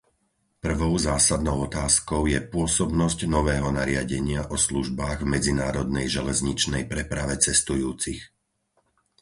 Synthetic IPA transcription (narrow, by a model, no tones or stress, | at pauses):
pr̩ʋɔʊzaːsad̪nɔʊɔt̪aːskɔʊjɛpʊɔsɔbnɔscnɔʋɛːɦɔnaɾɪaɟɛɲɪaʔɔsluʒbaːɣvmɛd͡zinaːɾɔd̪nɛjʒɛlɛzɲit͡ʃnɛjpɾɛpɾaʋɛt͡sɛst̪ujuːt͡six